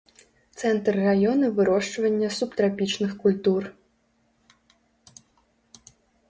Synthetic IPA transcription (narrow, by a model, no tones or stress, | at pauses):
t̪sɛnt̪rːajɔnɐvɨɾɔʂt͡ʂvɐnʲːɐsupt̪ɾapʲit͡ʂnɨxkulʲt̪ur